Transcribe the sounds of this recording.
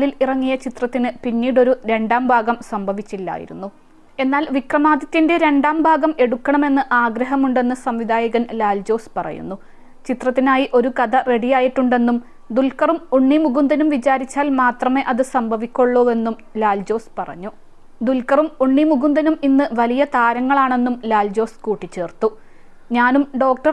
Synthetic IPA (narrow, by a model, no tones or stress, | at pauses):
lilirɐŋːijɐt͡ɕit̪rɐt̪ːinɨpinːiːɽo̞ɾuɾe̞ɳɖaːmbʱaːɡɐmsɐmbʱɐʋit͡ɕːilːa̰ːjḭɾṵnːu | e̞nːaːlʋikrɐmaːd̪ɐt̪ːinde̞ɾe̞ɳɖaːmbʱaːɡɐme̞ɽukːɐɳɐme̞nːɨʔaːɡɾɐɦɐmuɳɖe̞nːɨsɐmʋid̪ʱaːjɐɣɐnlaːld͡ʑo̞ːspɐrɐ̰jṵnːu | t͡ɕit̪rɐt̪ːinaːjiʔo̞ɾukɐd̪ɐre̞ɽijaːjiʈːuɳɖe̞nːum | d̪ulkɐrumuɳːimuɣund̪ɐnumʋit͡ɕaːɾit͡ɕːaːlmaːt̪rɐme̞ːʔɐðɨsɐmbʱɐʋikʲːoɭːo̞ːe̞nːum | laːld͡ʑo̞ːspɐrɐ̰ɲːu | d̪ulkɐrumuɳːimuɣund̪ɐnuminːɨʋɐlijɐt̪aːɾɐŋːɐɭaːɳe̞nːumlaːld͡ʑo̞ːskuːʈːit͡ɕːe̞ːrt̪u | ɲaːnumɖo̞ːk̚ʈɐr